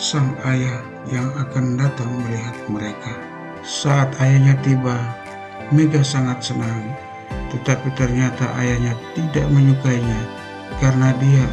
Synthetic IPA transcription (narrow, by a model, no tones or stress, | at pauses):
saŋaja | jaŋakandat̪aŋməliɦat̪̚məɾeka | saʔːt̪ajaɲat̪iba | meɡasaŋat̪̚sənaŋ | t̪ət̪apit̪ərɲat̪aʔajahɲat̪idaʔməɲukaiɲa | kaɾənadia